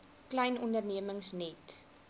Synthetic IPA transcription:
klɛjnɔndərniəməŋsnɛt

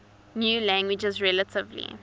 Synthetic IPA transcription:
njuːlæ̃ŋɡwɪd͡ʒəzɹɛlətʰɪvlḭ

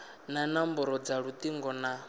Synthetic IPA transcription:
nanambɔɾɔd͡zaɺut̪ʼiŋɡɔna

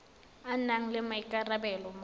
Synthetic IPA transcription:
anaŋ̩lɛmaikʼarabɛlɔm

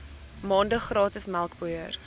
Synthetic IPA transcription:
mɑːndəχrɑːtəsmælˠkbuər

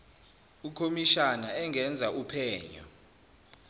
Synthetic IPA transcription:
ukʰomiʃanaɛŋɛnd͡zʱaʔupʰɛːɲɔ̰

